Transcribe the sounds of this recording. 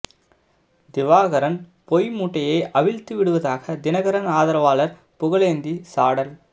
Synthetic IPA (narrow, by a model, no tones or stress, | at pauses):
d̪ɪʋaːɣɐɾɐn | pɔjmuːʈːɐjɐɪʔɐʋɪlt̪ːɯʋɪɽɯʋɐðaːɣɐd̪ɪnɐɣɐɾɐnaːðɐɾɐʋaːlɐɾ | pʊɣɐɭeːnd̪isaːɽɐl